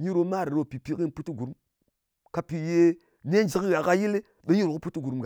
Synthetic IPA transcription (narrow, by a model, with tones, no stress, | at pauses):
ɲi˦ɾo˦ma˦˨ɾe˨ɾo˨pi˨pi˦ki˦n˦pu˦ti˦ɡu˨ɾu˦m | ka˧pi˨je˦ | ne˦nd͡ʒi˨ki˦ɣa˨ka˧ji˦le˦ | ɓe˨˦ɲi˦ɾo˨ku˦pu˦ti˦ɡu˨ɾmɡa˨